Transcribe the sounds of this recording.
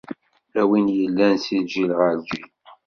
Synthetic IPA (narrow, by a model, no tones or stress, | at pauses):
æwinjəlːænsild͡ʒilʁəld͡ʒi